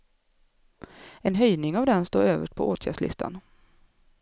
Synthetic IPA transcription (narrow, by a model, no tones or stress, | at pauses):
ɛnɦœjnɪŋavd̪ɛnst̪o̰ːɾøːvəʂʈ̚pʰɔʔoːt̪ʰjæ̰ːɖʂlɪ̰st̪ʰa̰n